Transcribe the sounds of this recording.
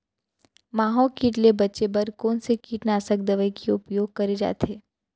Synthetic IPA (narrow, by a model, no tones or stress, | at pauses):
maːɦɔːlkiːʈlebɐtːʃebɐɾkɔːnsekiːʈnaːsək̚d̪ɐʋəikiʊpjoːɡ̚kɐɾed͡ʒa̰ːt̪ʰeː